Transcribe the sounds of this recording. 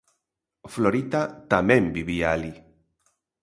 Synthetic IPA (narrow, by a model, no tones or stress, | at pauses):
floɾit̪at̪amẽmbiβiaːli